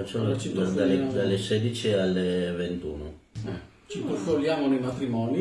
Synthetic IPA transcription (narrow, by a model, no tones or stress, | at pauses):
at͡ʃːamt͡ʃid̪d̪aed̪alːesɛd̪it͡ʃialːevent̪ṵːnoɛ | t͡ʃik̪uskoljaːmonejmat̪ɾimɔːni